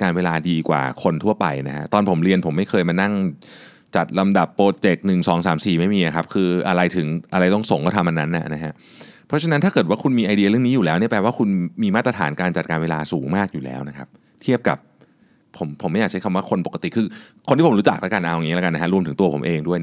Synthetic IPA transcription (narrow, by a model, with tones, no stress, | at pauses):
kaː˧nweː˧laː˧diː˧kwa̰ː˨˩kʰo˧nt̪ʰu˥˩ɐpa̰˧jna˦˥kʰa̰˦˥ʔt̪ɔː˧npʰo˩˦mɾi˧ənpʰo˩˦mːa˥˩jkʰɤː˧jmaː˧na˥˩ŋ | t͡ɕa˨˩t̪̚la˧mda˨˩pːoː˧t̪̚t͡ɕe˨˩k̚nɯ˨˩ŋsɔː˩˦ŋsaː˩˦msiː˨˩ma˥˩jmiː˧ʔa˨˩kʰa˦˥p̚kʰɯː˧ʔa˧ɾa˧jt̪ʰɯ˩˦ŋʔa˧ɾa˧jt̪ɔ˥˩ŋso˨˩˦ŋkɔː˥˩t̪ʰa˧mʔa˧nːa˦˥nːa̰˨˩na˦˥kʰa˦˥ʔ | pʰɾɔ˦˥t͡ɕʰa˧na˦˥nt̪ʰaː˥˩kɤː˨˩t̪waː˥˩kʰu˧nmiː˧ʔa˧jdi˧ɾɯ˥˩əŋniː˦˥ju˨lɛː˦˥wni˥ɐpɛː˧waː˥˩kʰu˧nmiː˧maː˥˩t̪ɾa˧t̪ʰaː˩˦nkaː˧nt͡ɕa˨˩t̪̚kaː˧nweː˧laː˧suː˩˦ŋmaː˥˩k̚juː˨˩lɛ̰ː˦˥wna˦˥kʰa˦˥p̚ | t̪ʰi˥˩əp̚ka̰˨˩p̚ʰː | o˩˦mpʰo˩˦ma˥˩ja˨˩t͡ɕa˦˥kʰa˧waː˥˩kʰo˧npo˨˩ka˧t̪i˨˩kʰɯː˧kʰo˧nt̪ʰiː˥˩o˩˦ɾuː˦˥t͡ɕa˨˩k̚lɛ̰˦˥ka˧nʔa˧ɔ˧˩ŋi˦˥lːka˧na˦˥a˦˥ɾu˧mt̪ʰɯ˩˦ŋt̪u˧ɐpʰo˩˦mʔeː˧ŋdu˥˩əj